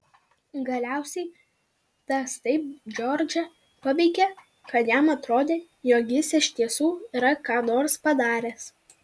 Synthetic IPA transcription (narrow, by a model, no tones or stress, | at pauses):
ɡɐlʲæˑʊsʲɛɪ | t̪ɐst̪ɐɪp̚d͡ʒʲɔɾʲd͡ʒʲɛ | pɐʋʲɛɪkʲe | kɐt̪jæmɐt̪ɾoːd̪ʲeː | joːɡʲɪsɪʃʲt̪ʲiɛsuːiɾɐkɑːnoːɾspɐd̪ɑːɾʲeːs